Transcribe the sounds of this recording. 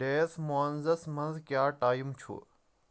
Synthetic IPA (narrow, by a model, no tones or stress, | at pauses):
ɖeːsmoɐnzɐsmɐnzkjaːʈaːjumt͡ʃʰṵː